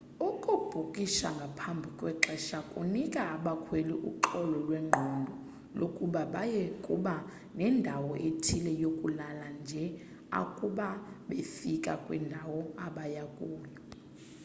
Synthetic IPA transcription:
ukʼub̥ʱukʼiʃaŋɡʱapʰambʱikʼwɛǁɛʃakʼṵnikʼaːɓakʰweliʔṵǃɔlɔlweŋ͡ǃʱɔndʱɔ | lokʼuɓaɓajekʼṵɓa | nɛndʱawɔʔetʰilɛjokʼulaland͡ʒʱɛ | a̰kʼuɓaɓefikʼakʼwɛ̰ndʱawɔaɓajakʼuːla

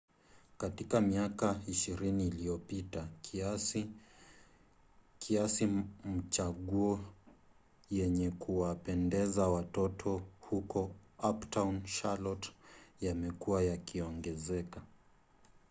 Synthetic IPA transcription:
katikamiakaiʃiɾiniːliɔpita | kʰiasim̩t͡ʃaɠuɔ | jɛɲɛkuwapɛndɛzawatɔtʰɔhukɔaptanʃalɔtjamɛkuwajakiɔŋɡɛzɛka

